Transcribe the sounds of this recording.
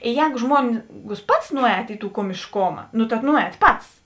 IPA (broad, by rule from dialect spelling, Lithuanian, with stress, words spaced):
ˈjɛːɡʊ ˈʒmuɔŋɡʊs ˈpɐts ˈnʊˌɛːt ɪ tuː koːmʲɪʃˈkoːmɐ nʊ tɐ ˈnʊˌɛːt ˈpɐts